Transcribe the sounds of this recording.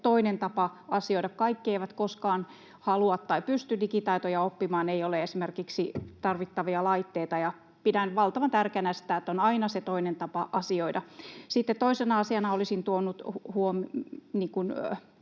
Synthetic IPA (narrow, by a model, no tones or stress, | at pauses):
t̪oinent̪ɑpɑɑsioidɑkkɑikːieiʋæt̪koskɑːn | hɑluɑt̪t̪ɑipyst̪ydikit̪ɑit̪ojɑopːimɑːneioleesimerkiksit̪ɑrʋit̪ːɑʋiɑlɑit̪ːeːt̪ɑjɑ | pit̪ænyʋɑlt̪ɑʋɑnt̪ærkeænæsi̥t̪æˑet̪ːonɑinɑset̪oinent̪ɑpɑʔɑsioidɑsit̪ːet̪t̪oisenɑɑsiɑnɑolisint̪uonːut̪huomniːŋkun